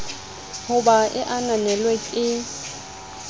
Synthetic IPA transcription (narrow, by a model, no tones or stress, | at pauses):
hʊbaʔɪʔananɛlweɪ